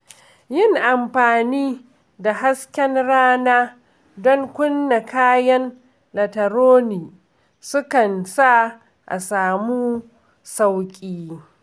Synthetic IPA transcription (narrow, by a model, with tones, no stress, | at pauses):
jɪ˦˨ŋʔa˨mɸaː˨niː˦ | da˨ɦa˦skʲɛ˦nɽaː˦naː˦ | dɔ˦ŋkʷʊ˦nːa˨kaː˦jɐ˦n | lɐ˨tɐ˨ɾoː˦niː˨ | sʊ˦kɐ˨nsa˦ | ʔa̰˨saː˨muː˦ | sa˦wkʲʼiː˦